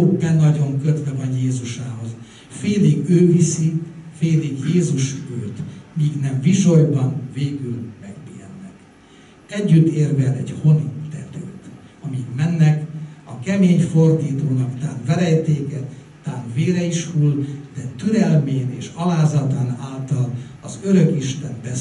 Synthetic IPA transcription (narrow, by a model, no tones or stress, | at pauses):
bɛnɒɟo̞ŋkøt̪vɛvɒnjeːzuʃaːɦo̞z | feːliɡøːvisifeːliɡjeːzuʃøːt̪miːɡnɛɱviʃo̞jbɒnveːɡylmɛɡbeːɛnːɛk | ɛɟːyt̪ːeːrvɛlɛ̰ɟho̞nit̪ɛt̪ø̰ːt̪ | ɒmikmɛnːɛkɒkɛmeːɲfo̞rd̪iːt̪oːnɒkt̪aːnvɛɾɛjt̪eːkɛt̪aːnveːɾɛiʃhuld̪̥ɛt̪yɾɛlmeːneːʃɒlaːzɒt̪aːnaːlt̪ɒlɒzøɾø̞kiʃt̪ɛnbɛ